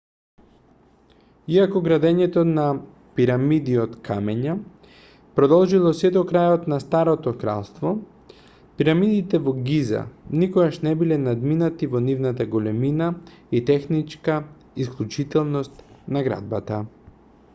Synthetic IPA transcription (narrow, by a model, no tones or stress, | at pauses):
iakɔɡɾad̪ɛɲɛt̪ona | piɾamid̪iot̪kʰamɛɲa | pɾɔd̪ɔlˠʒilˠɔsɛd̪ɔkɾajot̪nast̪aɾot̪ɔkɾa̰lˠst̪vɔ | piɾamid̪it̪ɛvɔɡiza̰nikoɡaʃnɛbilɛnad̪minat̪ivɔnivnat̪aɡolɛminait̪ɛxnit͡ʃka | isklʲˠut͡ʃit̪ɛlˠnɔst̪naɡɾa̰d̪̚bat̪a